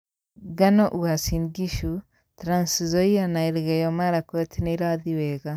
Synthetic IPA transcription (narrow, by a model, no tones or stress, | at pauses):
ɡanɔʔuasinɡiʃu | tɾansizɔianaiɾɣɛjɔmaɾakwet̪ʰiniɾaðiwɛɣa